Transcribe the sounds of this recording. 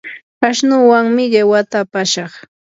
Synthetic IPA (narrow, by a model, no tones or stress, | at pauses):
kaʃnʊwaŋmɪʎawat̪aːpaʃɑχ